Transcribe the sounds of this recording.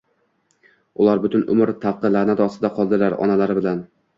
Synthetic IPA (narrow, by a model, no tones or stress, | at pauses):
ʊlˠaɾbʊt̪ʰʊnʊ̰mɾt̪ʰafqʰɨlaɾnɪd̪ɒsɪd̪aqʰɒlˠd̪ɪlaɾɒ̰nalaɾɪbɪlan